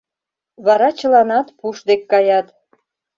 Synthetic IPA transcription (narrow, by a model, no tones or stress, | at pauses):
βɑɾɑt͡ɕə̆lɑnɑt̪puʃd̪ekːɑjɑt̪